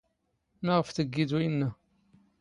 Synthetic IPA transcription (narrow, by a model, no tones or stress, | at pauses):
naʁəfθəɡːid̪winːə